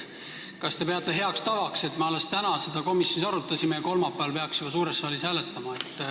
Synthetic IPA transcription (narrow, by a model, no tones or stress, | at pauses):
kɑst̪e̞pe̞ɑt̪ːˑe̞ɦe̞ɑkst̪ɑvɑkse̞t̪ːmeɑlːest̪ænɑse̞d̪̥ɑko̞misjo̞nisɑɾut̪ːˑɑsimejɑko̞lmɑpːˑæɑlpe̞ɑksjub̥ɑsuːɾesːɑːlisæːle̞t̪ˑːɑmɑe̞t̪ːˑ